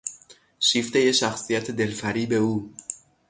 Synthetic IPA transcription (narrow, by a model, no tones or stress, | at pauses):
ʃiːft̪eje̞ʃæxsijæt̪ʰed̪e̞lfæɾiːbe̞uː